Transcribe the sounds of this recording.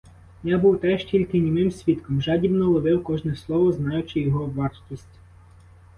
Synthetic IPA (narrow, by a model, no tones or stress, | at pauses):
jɑbuwt̪ɛʃtʲilʲkɪnʲimɪmsʲʋʲit̪kɔmʒɑdʲibnɔlˠɔʋɪwkɔʒnɛslˠɔʋɔznɑjʊt͡ʃɪjɔɦɔʋɑrtʲisʲtʲ